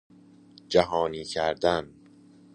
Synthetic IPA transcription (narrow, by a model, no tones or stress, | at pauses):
d͡ʒæɦɒːniːcʰæɾd̪æn